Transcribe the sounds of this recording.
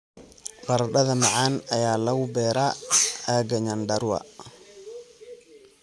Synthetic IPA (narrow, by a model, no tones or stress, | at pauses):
qaɾɗaðamaʕanajalawbɛɾʔaaɡaɲandaɾwa̰